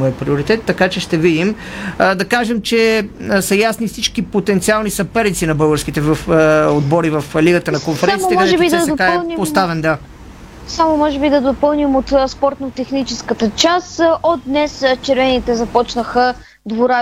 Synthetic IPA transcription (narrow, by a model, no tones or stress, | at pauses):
ɔəpɾioɾit̪ɛt̪ːɐkat͡ʃɛʃt̪ɛvid̪im | d̪ɐkaʒɛmt͡ʃɛsɐjasnifsit͡ʃkipot̪ɛnt̪sialˠnisɐpɛɾit̪sinɐbɤlˠɡəɾsk̟it̪ɛvəfod̪bɔɾivəfliɡət̪ənɐkonfɛɾɛmɛɔɛbiɐsd̪ɛokaɛnipost̪avɛnd̪a | samomɔʒɛbid̪ɐd̪opɤlˠnimot̪spɔɾt̪not̪ɛxnit͡ʃɛskət̪ət͡ʃasod̪̚d̪nɛst͡ʃɛɾvɛnit̪ɛzɐpɔt͡ʃnəxə | d̪voɾa